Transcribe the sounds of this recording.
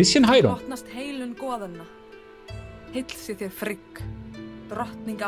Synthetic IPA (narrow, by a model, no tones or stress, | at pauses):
ɪsjɛnɦaːjɾɔht̪nast̪heːjlʏnkɔːðʏnːa | hɪjt̪l̥sɪθjɛɾ̥fɾɪk | t̪ɾɔht̪niŋka